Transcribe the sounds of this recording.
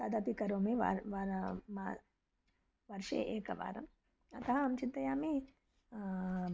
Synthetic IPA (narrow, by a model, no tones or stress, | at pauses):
saːd̪ap̪ikɐɾõːmẽʋa̰ɾʋaɾma | ʋɐɾʃḛʔeːkɐ̰ʋa̰ːɾɐm | ɐt̪ɐɦɐɐmt͡ʃint̪d̪ɐjaːme